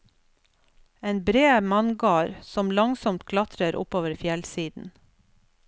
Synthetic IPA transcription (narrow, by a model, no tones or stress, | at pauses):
eːnbɾeːmɑnɡɑːɾsɔmlɑŋsɔmt̪kʰlɑt̪ɾəɾʔʊ̰poːʋəɾfjɛlsiːd̪n̩